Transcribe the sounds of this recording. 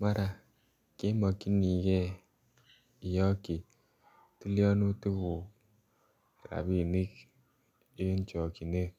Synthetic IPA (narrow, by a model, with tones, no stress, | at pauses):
ma˦ɾa˨ | ke˦mɔ˨ki˦ni˨kɛ˦ | i˨jɔ˦ki˨ | ti˦ljɔ˦nu˦ti˦βu˨ | ɾa̰˨bi˨ni˦k | i˦n˦t͡ʃɔ˨ki˨ne˦